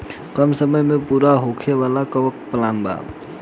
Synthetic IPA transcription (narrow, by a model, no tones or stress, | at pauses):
kəmsəməjmẽpuːɾaɦokʰeʋaːlakəʋək̚pəlaːnba̰ːb